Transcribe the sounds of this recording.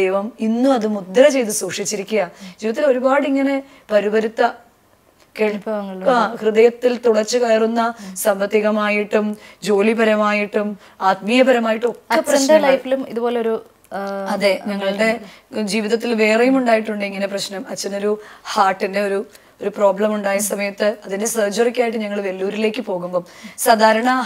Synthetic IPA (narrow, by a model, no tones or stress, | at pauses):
d̪ejʋɐminːuɐðɨmud̪ːɐɾɐt͡ɕe̞jt̪̬ːusuːkʂit͡ɕːiɾikʲːuɣɐd͡ʑiːʋiðɐt̪ːilo̞ɾubaːɽiŋːɐne̞ | pɐɾibɐɾut̪ːɐ | keːɭpːɐʋɐŋːɐɭakrɨðɐjɐt̪ːilt̪uɽɐt͡ɕːɨkɐjɐrunːɐsɐmʋɐt̪ːiɣɐmaːjiʈːumd͡ʑo̞ːlibɐɾɐmaːjiʈːum | aːt̪mijɐbɐɾɐmaːjiʈːuokːɐpɐd̪ɐlɐjfilumiðubo̞ːleoɾu | ɐðeɲɐŋːɐɭɽe̞d͡ʑiːʋiðɐt̪ːilʋe̞ːrɐjumuɳɖaːjiʈːuɳɖɨiŋːɐne̞prɐɕnɐmɐt͡ɕːɐnoɾuhaːʈːinde̞o̞ɾu | o̞ɾupro̞ːbɭɐmuɳɖaːjɐsɐmɐjɐt̪ːɨɐðinesɐːd͡ʑurikʲːaːjiʈːɨɲɐŋːɐɭʋelːuːɾile̞ːkːɨpo̞ːɣumbomsaːd̪ʱaːɾɐɳɐ